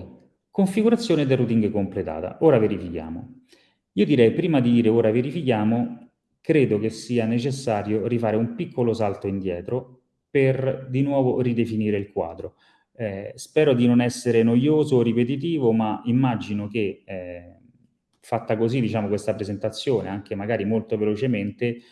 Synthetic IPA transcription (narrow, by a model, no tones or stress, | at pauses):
koɱfiɡuɾat̪sːjoːned̪erut̪iŋɡekomplet̪a̰ːt̪a̰ʔoːɾaveɾifikja̰ːmo̰ | iːod̪iɾɛjpɾiːmad̪id̪iːɾeoːɾaveɾifikjaːmo | kɾeːd̪okesːiːanet͡ʃesːaːɾjorifaːɾeumpikʰːolosalt̪oind̪jɛːt̪ɾo | perd̪inwɔːvorid̪efiniːɾeilkwa̰ːd̪ɾo | ɛspɛːɾod̪inonɛsːeɾenojoːzoripet̪̬it̪̬iːvomaimːad͡ʒinok̟eɛ | fat̪ːakozid̪it͡ʃaːmokwest̪apɾezent̪at̪sːjoːneaŋk̟emaɡaːɾimolt̪ovelot͡ʃement̪e